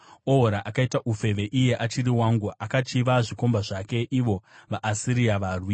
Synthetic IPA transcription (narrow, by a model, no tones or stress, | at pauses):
oɦoɾaʔakaitaʔufe̞ʋe̞ʔije̞ʔat͡ʃiɾiwaŋɡoʔakat͡ʃiʋaʐiko̞mbaʐake̞ʔiʋo̞ʋaʔːsiɾijaʋarwi